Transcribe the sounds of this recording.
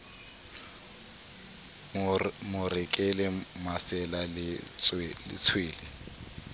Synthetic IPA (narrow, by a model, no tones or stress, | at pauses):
mʊrɪkʼɪlɪmasɛlalɪ | lɪ̰t͡sʰweːlɪ